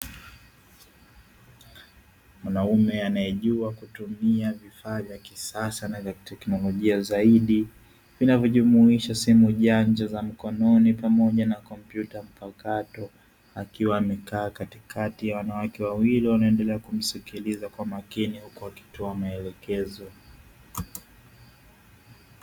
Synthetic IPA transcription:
mwanaumɛanajɛʄuakutumiavifaːvjakisasanavjatɛknɔlɔʄiazaiɗi | vinavjɔʄumuiʃasimuʄaɲd͡ʒazam̩kɔnɔnipamɔʄanakɔmpjutam̩pakatɔ | akiwaːmɛkaːkatikʰatijawanawakɛwawiliwanaɛndɛlɛakum̩sikilizakwamakinihukuaki̥tɔamaɛlɛkɛzɔ

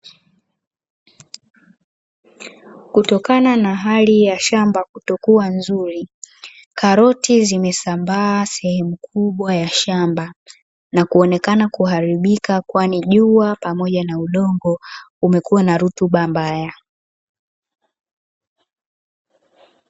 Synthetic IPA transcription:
kutɔkananaɦalijaʃambakutɔkuanzuɾi | kaɾɔtizimɛsambaːsɛhɛmukʰuɓwajaʃamba | nakuɔnɛkanakuɦaɾiɓikakwaniʄuapamɔʄanauɗɔŋɡɔumɛkuwanaɾutuɓambaja

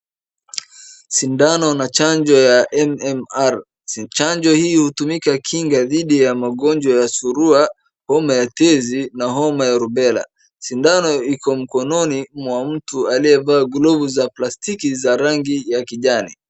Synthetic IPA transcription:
sindanɔnat͡ʃaɲd͡ʒɔjaʔɛmɛmaɾ | t͡ʃaɲd͡ʒɔhiːhutumikakʰiŋɡaðiɗijamaɠɔnd͡ʒwajasuɾua | hɔmajatɛzinaɦɔmajaɾubɛla̰ | sindanɔikɔm̩kɔnɔnimwam̩tualiɛvaːɡlɔvuzaplastikizaɾaŋɡijakiʄanḭ

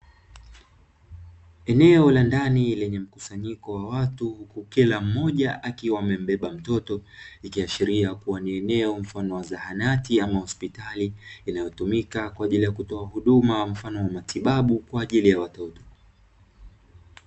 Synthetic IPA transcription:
ɛnɛɔlandanilɛɲɛm̩kusaɲikɔwawatuhukukilam̩mɔʄaʔakiwamɛm̩ɓɛɓam̩tɔtɔikiaʃiɾiakuwaniɛnɛɔm̩fanɔwazahanatiamahɔspitaliːnajɔtumikakwaːʄilijakutɔahuɗumam̩fanɔwamatiɓaɓukwaːʄilijawatɔtɔ̥

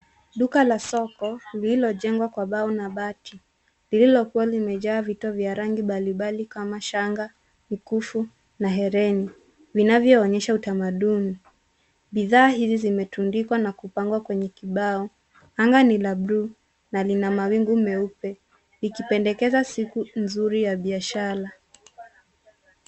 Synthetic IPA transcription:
ɗukalasɔkɔlililɔʄɛŋɡwakwaɓaɔnaɓati | lililɔkuwalimɛʄaːvitɔvjaɾaŋɡiɓaliɓalikamaʃaŋɡa | mikufu | naɦɛɾɛni | vinavjɔːɲɛʃautamaɗuni | ɓiðaːɦizizimɛtundikwanakupaŋɡwakwɛɲɛkiɓaɔ | aŋɡanilabɾu | nalinamawiŋɡumɛupɛ | likipɛndɛkɛzasikunzuɾijaɓiaʃaɾa

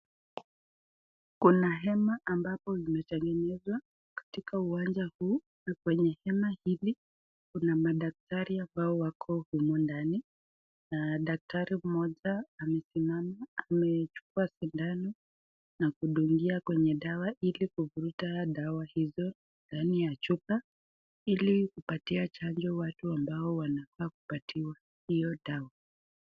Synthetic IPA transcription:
kunaɦɛmaʔambapɔimɛtɛŋɡɛnɛzwa | kḁtikauwand͡ʒahuː | nakwɛɲɛhɛmahili | kunamaɗak̚taɾiambaɔwakʰɔhumɔndani | naɗak̚taɾim̩mɔʄaːmɛsimamaːmɛt͡ʃu̥kuasindanɔ | nakuɗuŋɡiakwɛɲɛɗawaʔilikuvuɾutaɗawahizɔ | ndanijat͡ʃupa | ilikupatiat͡ʃaɲd͡ʒɔwatuambaɔwanafaːkupatʰiwa | hijɔɗawa

